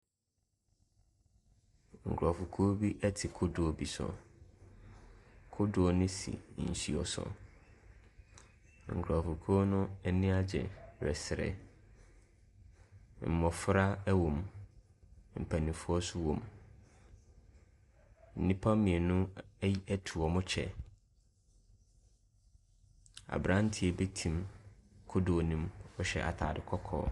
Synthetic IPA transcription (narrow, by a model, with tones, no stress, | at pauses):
ŋ̩˨kʰɾa˨fʊ˨kʰo˦bi˦ʔɛ˦tʰɪ˨kʰʊ˦dʊ˨ɔ˨bi˨sɔ̰˨ | kʰʊ˦dʊ˨ɔ˨nɪ̃˦sḭ˨n̩˨ɕi˦ɔ̰˨sɔ̰˨ | ŋ̩˨kʰɾa˨fu˨kʰo˦nʊ̃˦ɛ˨nɪ̃˦a˦d͡ʑɛ̰˨ɾɛ˨sɪ˨ɾɛ̰˨ | m̩˨mɔ̃˨fɾa˦wõ˨m | m̩˨pʰæ˨nĩ˨fu˦ɔ˦sʊ˦wõ̰˨m | n̩˨nĩ˦pʰa˦mĩ˨e˨nʊ̃˦ji˦æ˦tʰu˨ɔ˨mʊ̃˦t͡ɕʰɛ̰˨ | a̰˨bɾã˦n˦tʰi˨ɛ˨be˦tʰĩ˨mkʰʊ˦do˨o˨nĩ˦mɔ˨ɕɛ̰˨ʔa̰˨tʰa̰ː˨dɪ˨kʰɔ˦kʰɔ̰ː˨˦